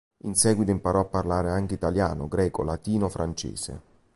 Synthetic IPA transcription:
insɛːɡwit̪oimpaɾɔapːarlaːɾeaŋk̟eit̪alja̰ːno̰ɡɾɛːko̰lat̪iːnofɾant͡ʃḛːsḛ

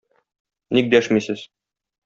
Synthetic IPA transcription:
nik̚d̪æʃmisɘz̥

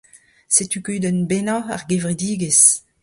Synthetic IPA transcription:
set̪ykyd̪ɛnbenaa̰ʁɡevʁidiːɡes

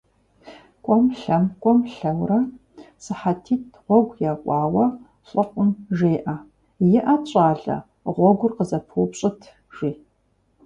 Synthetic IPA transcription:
kʷʼɔmɬɐmkʷʼɔmɬɐwrɐ | sɨħatʰiːtʰʁʷɔɡʷjaːkʷʼɑːwɐ | ɕʼɨqʷʼʊmʒeːʔa | jɪʔat͡ʃʼaːɮɐ̰ | ʁʷɔɡʷʊrqəzɐpʰuːpɕʼɪtʰ | ʒ̥iː

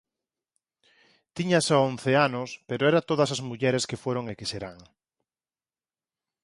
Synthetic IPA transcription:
t̪iɲasaonθeanospeɾoɛɾat̪oðɐsazmuʎɛɾeskefoɾoŋekeseɾaŋ

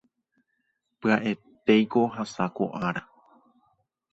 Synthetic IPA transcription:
pɨaʔe̞t̪e̞jko̞ɦasako̰ʔaɾa

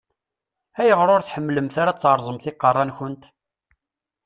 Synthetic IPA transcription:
æjəʁɾˤʊɾθħəmːləmθaɾat͡sːɾˤzˤəmθɪqːɑrˤːɑnçʊnt̪

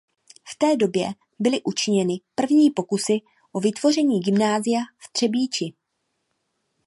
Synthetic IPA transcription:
ft̪ɛːdo̞bjɛ | bɪlɪʔut͡ʃɪɲɛnɪpr̩vɲiːpo̞kusɪ | ʔo̞vɪt̪vo̞r̝ɛɲiːɡɪmnaːzɪjaft̪r̝̥ɛbiːt͡ʃɪ

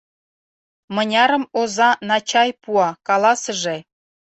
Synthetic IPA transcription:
mɤ̆nʲɑɾə̆mozɑnɑt͡ɕɑjpuɑkɑlˠɑsə̆ʒe

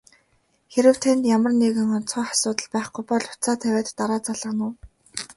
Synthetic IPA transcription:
xeɾɘ̆w̥t̪ʰent̪jamə̆rneɣɘ̆ŋɔnt͡sʰɔːχḁsʊːt̪ə̆ɮpæːχɡʊjpɔɮʊt͡saːt̪ʰæwʲæːt̪ːaɾaːt͡saɮə̆nʊ̆w

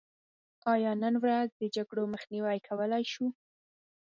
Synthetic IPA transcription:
ɑjɑnənwɾazd̪əd͡ʒaɡɽoməxniwajkʰawəlajʃu

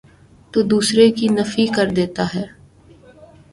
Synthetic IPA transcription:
t̪oːd̪uːsɾekinɐfikɐɾd̪eːt̪aɦɛː

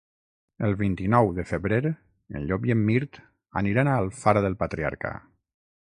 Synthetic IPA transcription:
əlˠβint̪inɔwðəfəβɾeɾ | ə̰nʎɔkjəmːiɾt̪ | a̰niɾanalˠfaɾaðəlˠpat̪ɾia̰ɾka̰

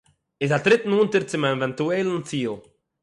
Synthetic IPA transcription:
ɪsatɾɪtn̩untəɾt͡sɪmavɛntuɛlənt͡siːlˠ

